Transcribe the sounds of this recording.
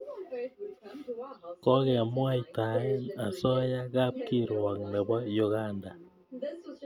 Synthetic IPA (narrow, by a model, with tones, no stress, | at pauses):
kɔ˦ɣɛ˨a˨mwa˦jta˨ja˨sɔ˦ja˦ɣa˦p̚ki˦ɾwa˨ŋmɛ˨ba˦jo˨ɣa˦nda˨